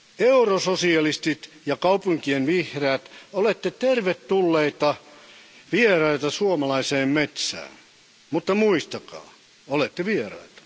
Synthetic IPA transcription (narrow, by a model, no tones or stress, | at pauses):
eurososiɑlist̪it̪jɑkɑupuŋkienʋihræːt̪olet̪ːet̪erʋet̪ːulːeit̪ɑ | ʋierɑit̪ɑsuomɑlɑiseːmmet̪sæ̰ːn | mut̪ːɑmuist̪ɑkɑ̰ː | olet̪ːeʋierɑ̰it̪ɑ̥